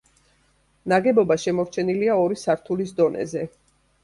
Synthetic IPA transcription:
naɡɛbɔbaʃɛmɔɾt͡ʃʰɛniliaɔɾisaɾt̪ʰulis̬d̪ɔnʔɛ̰zɛ

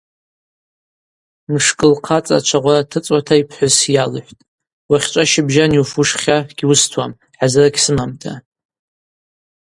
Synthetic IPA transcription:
mʂkʼɨlqʰat͡sʼa̰t͡ʃʷʰaʁʷaratʰɨt͡sʼwatʰaipʰħʷʊsjalɨħʷtʼ | waχʲt͡ʃʷʼaʃɪbʒaniufuʂχʲaɡ̥ʲiwʊstʰwam | ħazɨraɡʲʰsɨmamtʰa̰

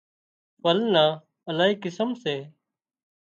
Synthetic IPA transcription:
pəlnãː | əlaːɦiːkɪsəmseː

